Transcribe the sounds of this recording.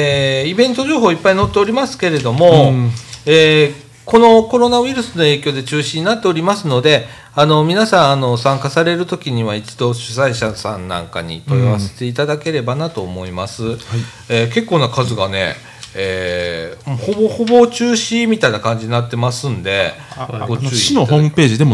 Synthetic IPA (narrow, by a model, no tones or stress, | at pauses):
eibẽ̞nt̪o̞ʑo̞ːɦo̞ːipːaino̞t̪ːe̞oɾʲimasɨ̥ke̞ɾe̞d̪o̞mo̞ | eː | ko̞no̞ko̞ɾo̞naβiɾɯ̟sɨno̞e̞ːkʲo̞ːd̪e̞t͡ɕɨːɕiɲ̟inat̪ːe̞o̞ɾʲimasɨno̞d̪e̞ | ano̞mʲinasãɰ̃ano̞sãŋkasaɾe̞ɾɯ̟t̪o̞kʲiɲ̟iβait͡ɕi̥d̪o̞ɕɨ̥saiɕasãnːã̰ŋka̰ɲ̟ḭt̪o̞jaβase̞̥t̪e̞it̪ad̪ake̞ɾe̞banat̪o̞ːmo̞imasɨ | eːke̞kːo̞ːnakazɨɡane̞̰ | eː | ho̞boho̞bo̞t͡ɕɨːɕimʲit̪ainakãɲ̟d͡ʑiɲ̟inat̪ːe̞masɨ̃nd̪e̞ | ɡot͡ɕːinohoːmɯ̟pe̞ːʑid̪e̞mo